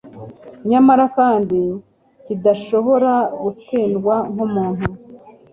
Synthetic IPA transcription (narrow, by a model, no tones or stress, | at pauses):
ɲamaɾakaːndi | kidaʃo̞βo̞ɾaɡut͡siːndɡwaŋ̥humuːnhu